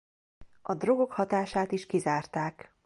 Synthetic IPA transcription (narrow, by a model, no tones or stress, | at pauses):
ɒd̪ro̞ɡo̞khɒt̪aːʃaːt̪iʃkizaːrt̪aːk